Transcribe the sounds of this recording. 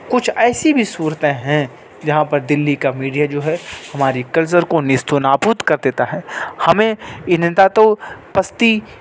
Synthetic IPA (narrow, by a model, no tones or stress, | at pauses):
kʊt͡ʃʰɛːsibʱisuːɾt̪ẽɦɛ̃ | d͡ʒɐɦãpɐɾd̪ɪlːikamiːɖijad͡ʒoːɦɛhɐmaːɾikɐlsəɾkonɪst̪ʰonaːpuːt̪kɐɾd̪eːt̪aɦɛːhɐmẽɪnt̪at̪opɐst̪i